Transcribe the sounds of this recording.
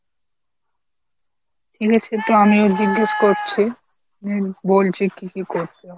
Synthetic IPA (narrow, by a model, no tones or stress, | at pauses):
ʈʰikat͡ɕʰet̪oamiod͡ʑiɡːeʃkoɾt͡ɕʰi | nebolt͡ɕʰekikikoɾt͡ɕʰe